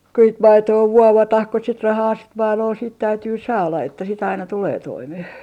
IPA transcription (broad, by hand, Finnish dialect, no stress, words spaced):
ku sit mɑitoː ʋuoʋɑtɑh ku sit rɑhɑː sit mɑilol siːt tæytyː sɑːlɑ etːæ sit ɑinɑ tuleː toimeh